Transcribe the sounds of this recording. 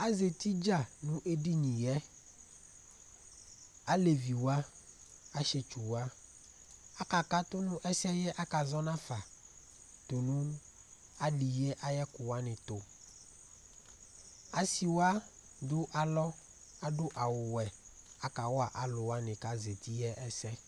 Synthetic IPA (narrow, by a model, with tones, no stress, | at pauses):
a˦ze˨t̪i˦d͡ʒa˦˨nũ˦ʔe˦ɖi˦ɲĩ˨jɛ˦ | a˦le˨vi˨wa˦ | a˦ʃe˦t͡ʃu˨wa˦ | a˦ka˨ka˦t̪ʊ˦nũ˦ʔɛ˦si˦ɛ˦jɛ˦ʔa˦ka˨zɔ˦nã˦fa˨ | t̪o˨nũ˦ | a˦li˨jɛ˦ʔa˦jɛ˦kʊ˨wa˦nɪ̃˨t̪ʊ˨ | a˦si˨wa˦ | d̪ʊ˦ʔa˨lɔ˦ | a˦ɖʊ˦ʔa˨wʊ˨wɛ˨a˨ka˨wɔ˦a˨ʔa˨lʊ˨wa˦nɪ̃˨ka˦ze˨t̪i˦jɛ˦ʔɛ˦sɛ˦